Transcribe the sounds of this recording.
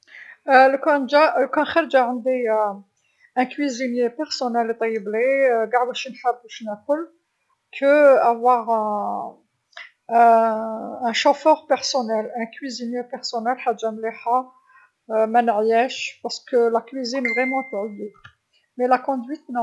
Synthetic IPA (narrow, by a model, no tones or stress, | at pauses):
ləkæʒaləkɔ̃xæɾd͡ʒæʕənd̪i | ʔæ̃kwizinjepɛʁsɔnɛlt̪ˤɑjəbleɡaʕwæʃinħæbuʃnækʊl | kʰəævwaʁɛ̃ | ʃofœʁpɛʁsɔnɛlæ̃kwizinjepɛʁsɔnɛlħadʒːamleħa | mænəʕjæʃpaʁskəlækwizinvʁɛmɑ̃t̪ʕulːi | mɛlakɔ̃d̪wɥit̪n